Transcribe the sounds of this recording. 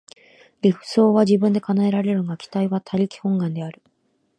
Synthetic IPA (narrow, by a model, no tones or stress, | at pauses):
ɾʲiɸɯ̟̥so̞ːβaʑibɯ̃nd̪e̞kanae̞ɾaɾe̞ɾɯ̟ŋakʲi̥t̪aiβat̪ʰaɾʲikʲi̥hõ̞ŋɡãnd̪e̞aɾɯ̟